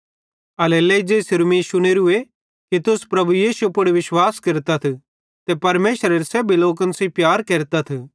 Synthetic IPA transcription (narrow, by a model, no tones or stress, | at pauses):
ɐleleid͡ʒeːsɪɾmisʊñeɾʊe | kit̪ʊspɾɐbujiːsupʊɽiʋɪʃwaːskɪɾt̪at̪ʰi | t̪epɐɾmeːʃəɾeɾsɛːbʱiloːkɐnsĩpjaːɾkeːɾt̪at̪ʰu